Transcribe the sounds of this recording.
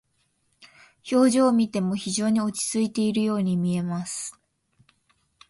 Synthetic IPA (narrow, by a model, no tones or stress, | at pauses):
ço̞ːʑoːmʲit̪e̞mo̞çiʑo̞ːɲ̟io̞t͡ɕi̥t͡sɨit̪e̞iɾɯ̟jo̞ːɲ̟imʲie̞masɨ̥